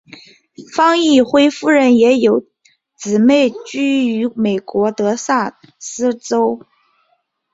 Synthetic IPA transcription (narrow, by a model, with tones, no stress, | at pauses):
fɑ˥ŋi˥˩xwe˥ɪfu˥˩ɻə˧˥njɛ˧˥jo˨˩ʊ | t͡sɹ̩˨˩me˥˩ɪt͡ɕy˥˩y˧˥me˨˩ɪkwɔ˧˥t̪ɤ˧˥sa˥˩ | sɹ̩˥t͡so˥ʊ